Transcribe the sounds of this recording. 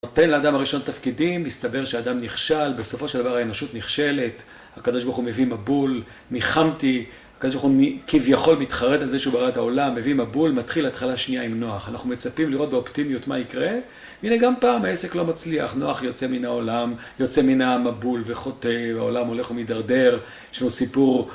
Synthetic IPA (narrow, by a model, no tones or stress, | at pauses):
no̞te̞nleaːdamaʁiʃo̞nat̪afkidimːist̪abe̞ʁʃeaːd̪amniχʃalbe̞so̞fo̞ʃeld̪avaʁhaenoʃut̪niχʃe̞le̞t | hakado̞ʃbaʁχume̞vimabul | niχamti | akadobaχunikivjaχo̞lmit̪χaʁe̞t̪alzeʃeubaʁatao̞lamːe̞vimabulmat̪χilat̪χalaʃnijaimno̞aχanaχnume̞t͡sapimliʁo̞t̪̚beoptimjutmaikʁe̞ | vineɡampaːmhae̞se̞klo̞mat͡slia̰χno̞aχjo̞t͡se̞minao̞lam | jo̞t͡seminamabulveχo̞t̪e̞vao̞lamo̞le̞χumid̪aʁde̞ʁ | jeʃlanusipuʁ